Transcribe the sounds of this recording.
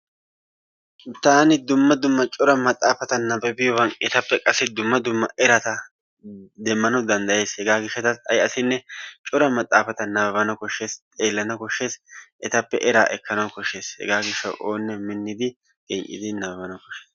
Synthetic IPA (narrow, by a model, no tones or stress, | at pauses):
t̪aːnɪd̪ʊmːɐd̪ʊmːɐt͡ʃʼʊɾɐmɐt̪ʼːaːfɐt̪ɐnɐbɛbɪjɔwɐnɛt̪ɐpːɛkʼɐsːɪd̪ʊmːɐd̪ʊmːɐʔɛɾɐt̪ɐ | d̪ɛmːɐnɐwd̪ɐnd̪ɐje̞ːshɛɡaːɡɪʃːɛt̪ɐsɐjɐsɪnːɛt͡ʃʼɔɾɐmɐt̪ʼːaːfɐt̪ɐnɐbɐbɐnɐkɔʃːe̞ːst̪ʼe̞ːlːɐnɐkɔʃːe̞ːsʔɛt̪ɐpːɛ̰ʔɛɾaːʔɛkːɐnɐwkɔʃːe̞ːshɛ̰ɡaːɡɪʃːɐ̰wʔoːnːɛmɪnːɪd̪ɪ | ɡ̥ɛɲʔʼɪ̰d̪ɪnɐbɐbɐnɐkɔʃeːs